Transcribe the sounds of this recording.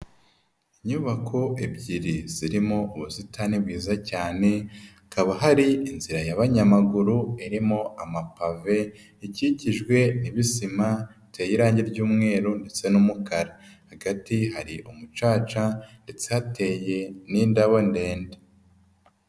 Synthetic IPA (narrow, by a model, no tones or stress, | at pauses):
iɲuβakʰo̞ʔebɟiɾiz̥iɾimo̞ʔuβusitʰanibɡiːzacaːne̞ | kaβaɦaɾiinziɾajaβaɲamaɡuɾuiɾimo̞amapave̞ | iciciʒɡwe̞niβisima | tʰe̞ːjiɾaːɲɟeɾɟuːmŋe̞ːɾonde̞t͡se̞numukaɾahaɡatiɦaɾiʔumut͡ʃaːt͡ʃande̞t͡se̞hate̞ːje̞niːndaβonde̞ːnde